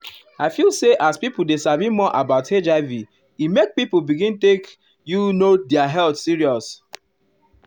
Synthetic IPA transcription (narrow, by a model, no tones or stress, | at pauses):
aɪfilˠseʔaspipolˠdesavimɔʔabaʊted͡ʒaɪvi | imek̚pipbiɡĩntek | junodɛaɦɛltsiɹiɔs